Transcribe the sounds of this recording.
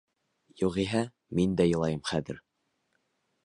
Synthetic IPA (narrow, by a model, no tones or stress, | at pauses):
juʁiɦæ | mind̪æjɤ̆lˠɑjɤmχæðɘ̰̆ɾ